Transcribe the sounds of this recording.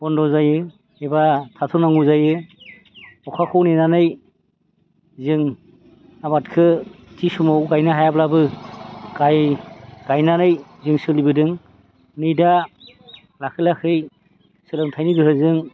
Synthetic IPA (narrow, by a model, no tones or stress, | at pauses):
bɔndɔzajɯ | ebatʰatʰɔnaŋuzajɯ | ɔkʰakʰɔwnenanɯj | zɯŋ | abatkʰɯtʰisumawɡajnɯɦajablabɯɡajɡ̥ajnanɯjzɯŋsɯlibɯdɯŋ | nɯjda | lakʰɯlakʰɯj | sɯlɯŋtʰajnidɯɦɯzɯŋ